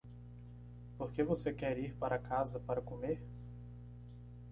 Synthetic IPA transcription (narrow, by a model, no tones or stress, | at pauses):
poɾkevosekɛɾiɾpaɾʔɐkazɐpaɾɐkomeɾ